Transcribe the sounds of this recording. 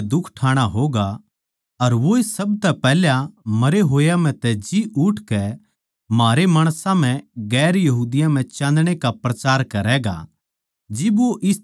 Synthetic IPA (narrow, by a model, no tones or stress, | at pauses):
d̪ʊkʰʈʰaːɽ̃aɦoːɡa | ɐɾʋoɪsɐbt̪ɛpɛːljamɐɾeɦoːjam̤ɛ̃t̪ɛd͡ʒiʊʈʰkɛ | maːɾemaːɽ̃sãm̤ɛ̃ɡɛːɾjɐɦuːd̪ɪjãm̤ɛ̃t͡ʃãːnd̪ɽ̃ekapɾɐt͡ʃaːɾkɐɾɛɡa̰ | d͡ʒɪboʔɪs